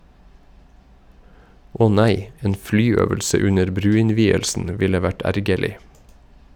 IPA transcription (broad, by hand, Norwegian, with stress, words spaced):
ˈʔɔh ˈnæɪ ˈeːn ˈflyːˌøːʋəlsə ˈʉnəɾ ˈbɾʉːɪnˌʋiːəlsn̩ ˈʋɪlə ˈʋæʈ ˈæɾɡəɭɪ